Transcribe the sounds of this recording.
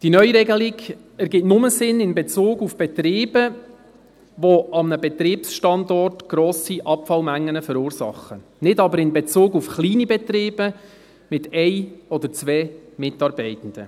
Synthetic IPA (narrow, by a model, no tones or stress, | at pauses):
d̥inœʏɾɛɡəliɡ | ɛɾɡɪtnʊməsɪnɪnbɛt͡suːɡufb̥ɛt̪ɾiːbə | ʋoʔɑmnəbɛt̪ɾiːpsʃtɑndɔrtɡ̥ɾɔːsiʔɑpfɑlmæŋːənəfəɾuːɾsɑ̰χə | nɪdɑbəɾɪnbɛt͡suːɡufχliːnibɛt̪ɾiːbə | mɪtɛɪɔd̪əɾt͡sʋɛːmɪtɑːɾbɛɪtən̩d̥ə̰